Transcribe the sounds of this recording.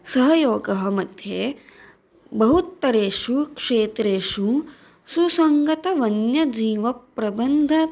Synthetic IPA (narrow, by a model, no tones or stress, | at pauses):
sɐɦɐjoːɡɐɦɐmɐd̪ʱje | bɐɦut̪ːɐɾeːʂukʂeːt̪ɾeːʂu | susɐŋɡɐt̪ɐʋɐnjɐd͡ʒiːʋɐpɾɐbɐnd̪ʱɐ